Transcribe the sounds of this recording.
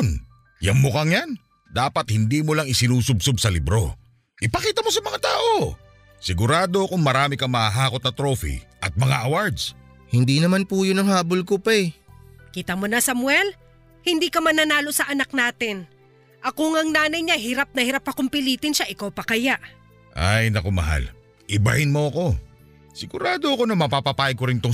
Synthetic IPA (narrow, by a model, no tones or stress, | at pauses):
n | jɐ̰mːokɐŋjan | d̪aːpɐt̪̚hɪnd̪iːmolaŋɪsɪnuːsʊb̚sob̚sɐlɪbɾo̞ | ʔɪpɐkiːt̪ɐmo̞sɐmɐŋat̪aːʔo | sɪɡʊɾaːd̪o̞kʊŋmɐɾaːmɪkɐŋmɐhaɦaːko̞t̪nɐt̪ɾofḭʔɐt̪̚mɐŋa̰ʔɐwaɹd̪s | hɪnd̪iːnɐmanpuːjonɐŋɦaːbolkopɛjkiːt̪ɐmonɐsɐmwɛl | hɪnd̪iːkɐmɐnɐnaːlo̞sɐʔɐnɐk̚naːt̪ɪn | ʔɐkoŋɐŋnaːnɐjɲaɦɪɾap̚nɐhɪɾapːɐkʊmpɪliːt̪ɪnʃaʔɪkawpɐkɐjaʔ | ʔajnɐkomɐ̰ɦa̰l | ʔɪba̰hɪnmoɐko̞ | sɪɡʊɾaːd̪oɐko̞nɐmɐpapɐpaːjɐɡ̚koɾɪnt̪o